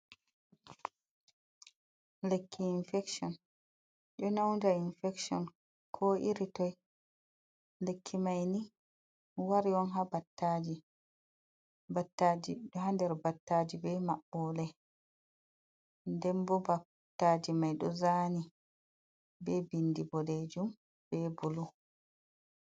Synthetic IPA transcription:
lekʰːiːnfɛksɔn | ɗɔnawnd͡ʒainfɛkʃɔ̰n | kʰɔʔiɾitɔj | lekʰːimajni | waɾiɔnɦabatːad͡ʒi | batːad͡ʒiɗɔɦandɛɾbatːaːd͡ʒibɛmaɓːɔːlɛ | ndɛmbɔba | tːad͡ʒimajɗɔzani | bɛbindibɔled͡ʒum | bɛbulɔ

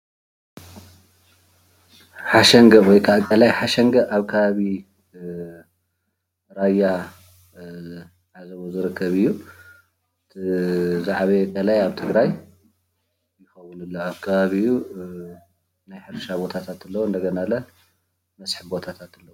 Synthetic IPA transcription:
ħaʃɐŋɡɐwɔjkʰaʔkʼɐlajħaʃɐŋɡɐʔaβkʰɐβaβi | ɾajːa | ʕazɐβuzɨɾɨkʰːɐβɨjːu | ɨt̪ʰizaʕβekʼɐlajaβt̪ʰɨɡɾaj | jɪxɐwːunɨlːoaβkʰɐβaβiu | najħɨɾʃabo̞t̪ʰat̪ʰat̪ɨlːɐwoɨnd̪ɐɡɐnalɐ | mɐsʼħibo̞t̪ʰat̪ʰat̪ɨlːɐwu

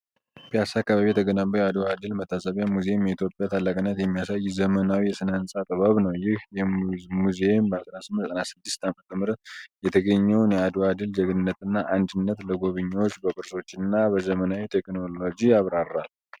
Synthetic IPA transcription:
pʰjasakːaβaβijɛt̪ʰəɡənabəjɛad̪oad̪ɨlmət̪ʰːasəβjamuzemjɛit̪ʰjo̞pʼjat̪ʰalːakʼɨnːət̪jɛmːijasajːzəmənawijɛsɨnansʼat̪ʼəβaβnəwjɪhjɛmuzembəat̪ʼənasɨmːɨtɛt̪ʼənasɨd̪ːɪst̪amət̪ʰəmɨɾət̪jɛt̪ʰəɡəɲːɛwnjɛad̪oad̪ɨld͡ʒəɡɨnːət̪ɨnːaʔand̪ɨnːət̪ləɡo̞βɨɲːawot͡ʃːbəkʼɨɾso̞t͡ʃːɪnːabəzəmənawit̪ʰeknolo̞d͡ʒiaβɾarːal

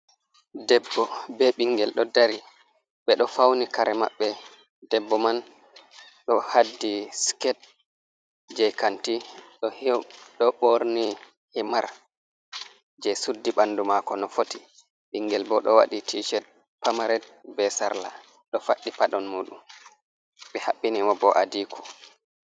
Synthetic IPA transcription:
dɛbːɔbɛɓiŋɡɛlɗɔdaɾi | ɓɛɗɔfawnikaɾɛma̰ɓːɛ | dɛbːɔman | ɗɔhadːiskɛt̚ | d͡ʒɛjkantiɗɔhɗɔɓoɾni | himaɾ | d͡ʒɛsudːiɓandumakɔnɔfoti̥ | ɓiŋɡɛlbɔɗɔwa̰ɗitʰiʃɛt̚ | pamaɾɛd̚bɛsaɾla̰ | ɗɔfaɗːipaɗɔnmuːɗum | ɓɛhaɓːinimɔbɔʔadiːkʰɔ̥

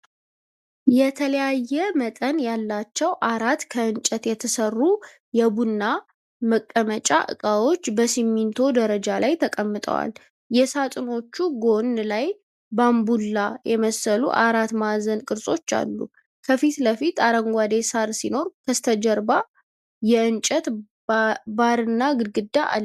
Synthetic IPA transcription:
jɛt̪ʰələjajːɛmət̪ʼənjalːat͡ʃːɛwʔaɾat̪kʰəɨnt͡ʃʼːɛt̪jɛt̪ʰəsərːu | jɛbunːa | məkʼːəmət͡ʃʼa̰ʔɨ̰kʼawo̞t͡ʃːbəsimːint̪ʰo̞d̪əɾəd͡ʒalajt̪ʰəkʼəmːɨt̪ʼə̰wa̰l | jɛsat̪ʼɨno̞t͡ʃːuɡo̞nlaj | bambulːajɛməsəlṵʔaɾat̪mazənkʼɨɾsʼo̞t͡ʃːa̰lːṵ | kʰəfit̪ləfit̪aɾəŋɡʷad̪esaɾsino̞ɾkʰəst̪ʰəd͡ʒɛɾba | jɛɨnt͡ʃʼət̪ | baɾɨnːaɡɨd̪ɡɨd̪ːaʔa̰l

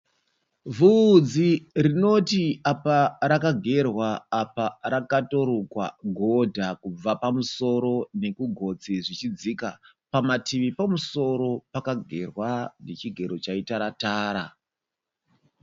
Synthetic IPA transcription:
vuːd͡zirino̞tiapaɾakaɡʱe̞rwaːpaɾakato̞ɾokwa̰ɡʱo̞dʱakub͡vapamuso̞ɾo̞ne̞kuɡʱo̞t͡siʐit͡ʃid͡zika | pamatiʋipamuso̞ɾo̞pakaɡʱe̞rwanet͡ʃiɡʱe̞ɾot͡ʃaitaɾataːɾa

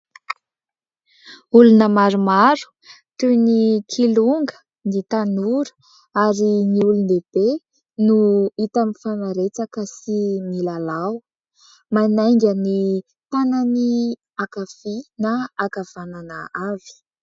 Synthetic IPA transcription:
ulunəmaɾumaɾu̥ | t̪unikʰiluŋɡə̥ | nit̪anuɾə̥ | aɾiniuluneb̥e | nuit̪amifanaɾet͡sakəsimilalaw | manajŋɡʲəni | t̪anani | akafinaakav̥ananəavi̥

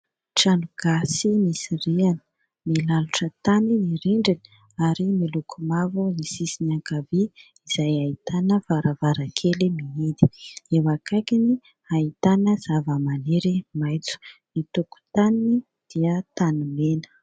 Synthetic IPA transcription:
ʈ͡ʂanuɡ̥asimisirianə̥ | milaluʈ͡ʂət̪aniiɾiɳɖ͡ʐini̥ | aɾimilukʰumavunisisinaŋkavi | iz̥ajait̪anəvaɾavaɾakʰelimiid̪i̥ewakakini | ait̪anəz̥avəmaneɾimajt͡su̥mit̪uku̥t̪anii | d̪̥iət̪anumenə̥

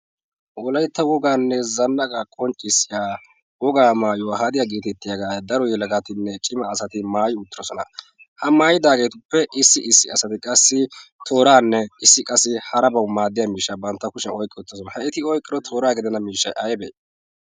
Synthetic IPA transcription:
wɔlɐjt̪ːɐwɔɡaːnːɛzɐnːɐkʼakʼɔnt͡ʃʼːɪsːɪjaː | wɔɡaːmaːjʊwahad̪ɪjaɡiːt̪ɛt̪ːɪjaɐɡaːd̪ɐɾɔjɛlɐɡat̪ɪnːɛt͡ʃʼɪmɐːsɐt̪ɪmaːjʊʊt̪ːɪɾɔsɔnɐ̰ | hɐmaːjɪd̪aːɡe̞ːt̪ʊpːɛʔɪsːɪʔɪsːɪɐsɐt̪ɪkʼɐsːɪt̪ʰo̞ːɾaːnːɛɪsːɪkʼɐsːɪhɐɾɐbɐwmaːd̪ːɪjamiːʃːabɐnt̪ːɐkʊʃɛnɔjkʼːɪʊt̪ːɔs̬ɔnɐhɐɪt̪ɪɔjkʼːɪɾɔt̪ʰo̞ːɾaːɡɪd̪ɛnɐmiːʃːɐ̰jʔɐjbɛ̰ː

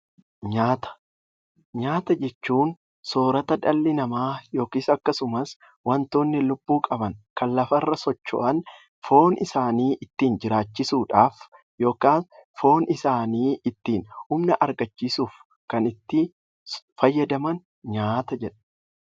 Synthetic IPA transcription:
ɲaːt̪ɐ̥ | ɲaːt̪ɐd͡ʒɛt͡ʃːuːn | so̞ːɾɐt̪ɐd̪ɐlːɪnɐmaːjo̞ːkiːsɐkːɐsʊmɐs | wɐnt̪oːnːɪlʊb̥ːuːkʼɐbɐnkɐnlɐfɐrːɐsɔt͡ʃːo̰ʔɐn | fo̞ːnɪsaːniːʔɪt̪ːiːnd͡ʒɪɾaːt͡ʃːɪsuːᶑaːf | jo̞ːkaːnfo̞ːnɪsaːniːʔɪt̪ːiːnhʊmnɐʔɐɾɡɐt͡ʃːiːsuːf | kɐnɪt̪ːɪ | fɐjːɐd̪ɐmɐn | ɲaːt̪ɐd͡ʒɛᶑɐ̥

